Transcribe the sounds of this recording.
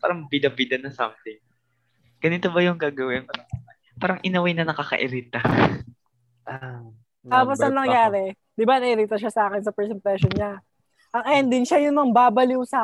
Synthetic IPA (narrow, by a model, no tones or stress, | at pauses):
paːɾɐŋbid̪ɐbid̪ɐnɐsɐ̰mt̪ɪŋ | ɡ̥ɐnit̪obɐjʊŋɡaːɡɐwɪnpaɾɐ | paːɾɐŋʔɪnɐwajnɐnɐkakɐ̰ʔɪɾit̪ɐ | ʔa | t̪aːposɐŋnɐŋjaːɾɛ | d̪ɪbanɐʔɪɾit̪ɐʃasɐaːkɛnsɐpɛɹsɪmplɛʃonɲa | ʔɐŋʔɛnd̪ɪnʃajʊnmɐŋbaːbɐlisa